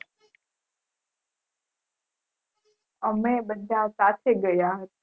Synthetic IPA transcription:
əmẽɓɐd̪ʱasaːt̪ʰeɡɐjaɦ

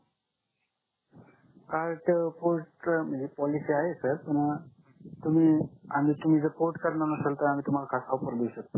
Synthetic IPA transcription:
kaɾʈpoɾʈməd͡zepɔlisiaɦesəɾpəɽ | t̪um̤iːam̤iːt̪um̤id͡zəpoɾʈkəɾnanəsəlt̪əɾam̤iːt̪um̤alakʰasaupəɾb̪esək̚t̪o

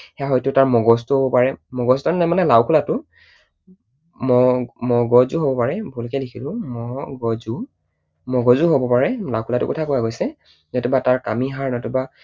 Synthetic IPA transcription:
hɛaɦɔjtʊtaɹmɔɡɔstuhobɔpaɹɛmɔɡɔstɔnɛmanɛlawkʰulatʊ | mɔmɔɡɔzuɦobɔpaɹɛbʊlkɛdikʰilʊ̃mɔɡɔzu | mɔɡɔzuɦobɔpaɹɛlawkʰulatʊ̰kɔtʰakojaɡojsɛ | zɔtʊbataɹkamiɦaɹnɔtʊba

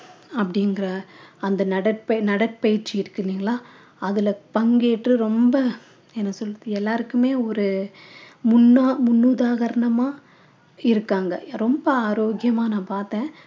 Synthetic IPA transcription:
ɐpːɐɽɪŋɡɪɾɐɐnd̪ɐnɐɽɐʈpɐnɐɽɐʈpɐjɪɾt͡ʃɪɪɾɯkːɯniːŋɡɐɭaː | ɐðɪlɐpɐŋɡeːʈrɯɾɔmbɐ | ɛnːɐsɔlːɯðɯɛlːaːɾɯkːɯmeːɔɾɯ | mʊnːaːmʊnːuðaːɣɐɾɐɳɐmaː | ɪɾɯkːaːŋɡɐɾɔmbɐaːɾoːɡɪjɐmaːnãːpaːɾt̪ẽː

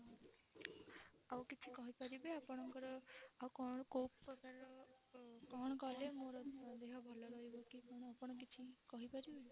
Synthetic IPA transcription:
awkit͡ʃʰikɔɦipaɾibeapɔɽ̃ɔŋkɔɾɔaukɔɽ̃kopɔkaɾɔ | kɔɽ̃ɔkɔlemoɾɔd̪eɦɔbʱɔlɔɾɔɦibɔkikɔɽ̃ɔapɔɽ̃ɔkit͡ʃʰikɔɦipaɾibe

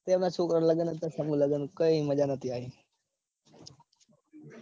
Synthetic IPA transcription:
t̪eʋnat͡ʃʰoːkɾəɾləɡənət̪əsəmuləɡənkəiməd͡ʒanət̪ʰiaɦe

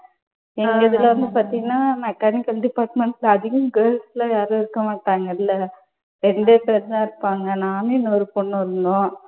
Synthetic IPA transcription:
ɛŋɡɐɪðɪlɐʋɐnd̪ɯpaːɾt̪ĩŋɡɐnːaːmɛkːaːnɪkːɐlɖɪpaːɾʈmɛɳʈlɐðɯɣɯ̃mɡeːlsɪlɐjaːɾoːɪɾɯkːɐmaːʈːaːŋɡɐɪlːɐ | ɾɛɳɖeːpɐɾt̪ãːɪɾɯpːaːŋɡɐnaːnenːɔɾɯpɔɳːɐɾɯnd̪õː

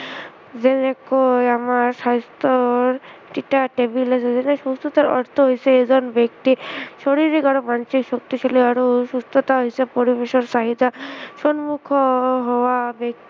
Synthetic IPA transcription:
d͡zenekojamaɾsast̪ɾɔɾʈiʈaʈebilasezeneʃust̪ɔt̪aɾɔ̰ɾt̪ʰɔɦojseezɔnbekt̪iʃoɽiɾikaɽomansikʃɔk̚t̪iʃɔliaɽuʃust̪ɾɔt̪aɦojsepɔɾibeʃɔɾsaɦid̪aʃɔnmukʰɔɦɔwabjek̚t̪i

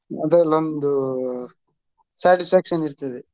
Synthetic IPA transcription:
ɐd̪lːond̪u | saːʈispʰaːkʂɐniɾt̪ɐd̪e

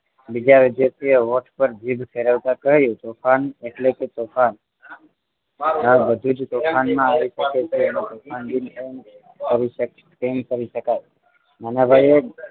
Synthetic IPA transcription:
bid͡ʒaʋid̪jasieʋoʈpəɾd͡ʒibʱfʰeɾəʋt̪akəɦjũt̪ofʰaneʈleket̪ofan | abəd̪ʱud͡ʒt̪okʰanmãaʋiʃəket͡ʃʰeːnet̪ofʰand̪inem | kəɾiʃə | emkəɾiʃəkaj | manabʱaje

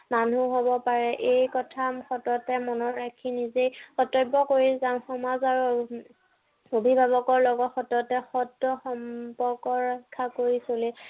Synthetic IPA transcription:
manuɦobɔpaɹɛʔejkɔtʰamxɔtɔtɛmɔnɔɹakʰinizejɔtɔjbɔkoɹizamxɔmazaɹu | obʱibʱabɔkɔɹlɔɡɔtxɔtɔtɛxɔdɔxɔmpɔɹkɔɹakʰːakoɹisoli

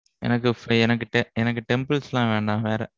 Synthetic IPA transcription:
ʔɛ̰nɐk̬ːɯfɛnɐk̬ːɯʈɛɛnɐk̬ːɯʈɛmbɐlsɛlãːʋeːɳɖãːʋeːɾɛ

